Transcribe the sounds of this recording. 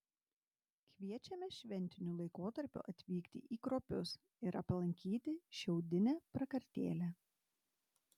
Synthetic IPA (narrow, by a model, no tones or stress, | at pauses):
kʲʋʲiɛt͡ʃʲɛmʲɛʃʲʋʲɛnʲt̪ʲɪnʲulˠɐɪkoːt̪ɐɾʲpʲʊ̰ʔɐt̪ʲʋʲiːkt̪ʲɪ̰ʔiːkɾoːpʲʊs | ɪɾʔɐplˠɐŋʲkʲiːt̪ʲɪʃʲɛʊd̪ʲɪnʲɛːpɾɐkɐɾʲt̪ʲḛːlʲæ